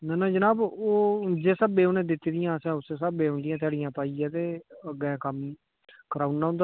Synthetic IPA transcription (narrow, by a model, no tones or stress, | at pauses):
nɛːnãːd͡ʒənaːboːd͡ʒeːsəbeːonẽːd̪ɪt̪ːid̪ɪjãːəsɛ̃ːʊsesəbːeːʊ̃nd̪ɪjãt̪ɪaːɽɪjãːpaːiaːt̪eːəɡɛ̃ːkəm | kəɾaːunnaːɦʊnd̪